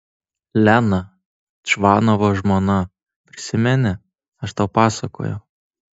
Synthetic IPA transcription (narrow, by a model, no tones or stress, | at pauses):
lʲæːnɐ | t͡ʃʋɑːnoʋoʒmonɐ | pʲɾʲɪsʲɪmʲɛnʲɛ | ɐʃt̪ɐʊpɑːsɐko̰ːjɛʊ